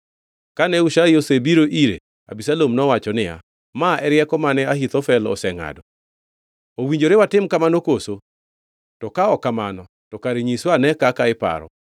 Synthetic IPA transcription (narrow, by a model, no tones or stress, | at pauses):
kanɛuʃaiosebiɾoʔiɾḛ | a̰bisalomnɔwat͡ʃɔnɪa̰ | maʔɛɾjɛkɔmanɛaɦit̪ɔfɛlɔ̰sɛŋa̰dɔ | owiɲd͡ʒoɾewatɪmkamanokoso | tɔkaɔkamanɔ | tɔkaɾeɲiswanɛkakaɪpa̰ɾɔ̰